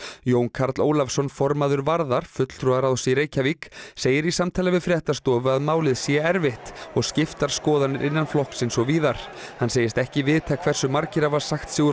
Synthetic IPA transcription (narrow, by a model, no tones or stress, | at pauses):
joːwnkʰaɾt̪loːwlafsɔnfɔɾmaðʏɾvaɾðaɾ̥fʏt̪l̥t̪ʰɾuðaɾawsiɾeːjcʰavikseːjɪɾisamt̪ʰaːlavɪðfɾjɛht̪ast̪ɔːvʏaðmaːwlɪðsjɛɛɾvɪht̪ɔɣscɪft̪aɾ̥skɔːðanːɪɾʔɪnːanflɔhksɪnsɔɣviːðaɾ̥ | hanːseːjɪst̪ɛhcɪvɪðt̪ʰakʰv̥ɛɾ̥sʏmaɾcɪɾavaɾ̥saxt̪sɪːɣʏ